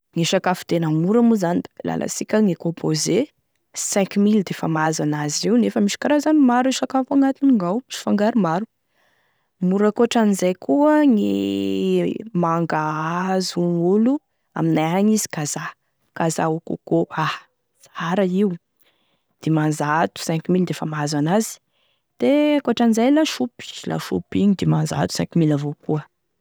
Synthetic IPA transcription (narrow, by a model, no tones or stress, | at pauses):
ŋiʃakafu̥d̪enəmuɾamuzanid̪ala̰lʔa̰sikʲəŋekõpʰoze | sɛ̃ŋkmild̪efamazanazewnefəmiʃi̥kaɾazanimaɾiʃakafaŋat̪iniŋawmiʃi̥faŋɡaɾumaɾu | muɾəkoʈ͡ʂanizajkʰuəŋi | maŋɡaazuŋulu | a̰minajaɲizi̥kaza | kaza̰ukṵkoah | saɾaiw | d̪̥emanzaat̪u̥sɛ̃ŋkimild̪efamazanazi̥ | d̪̥ekoaʈ͡ʂanizajlaʃupi̥la̰ʃṵpiɲid̪emanza̰t̪u̥sɛ̰̃ŋkimilavokuə